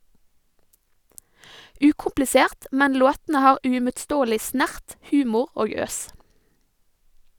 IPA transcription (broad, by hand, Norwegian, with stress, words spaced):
ˈʉːkʊmplɪˌseːʁt ˈmɛn ˈloːtn̩ə ˈhɑːɾ ʉɪmʊtˈstoːlɪ ˈsnæʁt ˈhʉːmʊɾ ˈoːɡ ˈøːs